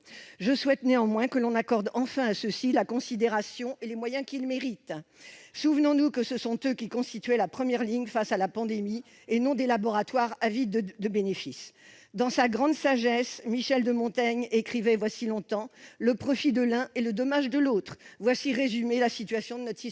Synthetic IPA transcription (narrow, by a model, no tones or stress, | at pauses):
ʒəswɛt̪neɑ̃mwɛ̃kəlɔ̃nakɔʁd̪ɑ̃fɛ̃asəsilakɔ̃sid̪eʁasjɔ̃ʔelemwajɛ̃kilmeʁit̪suvnɔ̃nukəsəsɔ̃t̪økʲikɔ̃st̪it̪ɥɛlapχəmjɛʁliɲfasalapɑ̃d̪emi | enɔ̃d̪elabɔʁat̪waʁavid̪əbenefis | d̪ɑ̃saɡʁɑ̃d̪saʒɛsmiʃɛld̪əmɔ̃t̪aɲekχivɛvwasilɔ̃t̪ɑ̃ləpχɔfid̪əlɛ̃eləd̪ɔmaʒd̪əlot̪χvwasiʁezymelasit̪ɥasjɔ̃d̪ənɔt̪i